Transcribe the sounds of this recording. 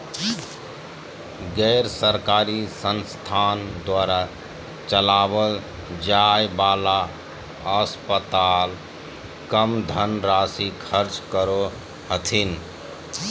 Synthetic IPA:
ɡɛɾsəɾkaɾisənst̪ʰand̪waɾa | t͡ʃəlabəl | d͡ʒajbaːla | əspət̪al | kəmd̪ʱənɾasikʰəɾt͡ʃkəɾo | hət̪ʰin

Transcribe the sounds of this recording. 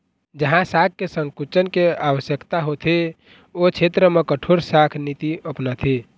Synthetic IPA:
d͡ʒəɦãsak̚kːesəŋkut͡ʃənkeawəsjəkt̪aɦot̪ʰe | ot͡ʃʰet̪ɾəmekəʈʰoɾsakʰnit̪iəpnat̪ʰe

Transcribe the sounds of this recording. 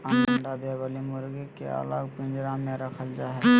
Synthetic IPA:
anəɳɖad̪eʋəlimʊɾɡekḛa̰laɡpɪ̃nd͡ʒɾãmẽɾəkʰəld͡ʒaːɦɛ

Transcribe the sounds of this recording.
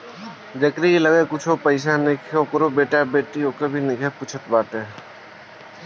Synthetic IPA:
d͡ʒəkɾiiləɡekʊt͡ʃʰopəɪsanɪkʰokəɾobeːʈabeːʈiokebʱinɪkʰepuːt͡ʃʰət̪baːt̪ẽː

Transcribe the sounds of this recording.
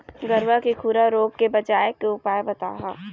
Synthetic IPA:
ɡɐɾʋakikʰuːɾaɾoːɡ̚kebɐd͡ʒaːjkːeʊpaːjebɐt̪a̰ːɦa̰ː

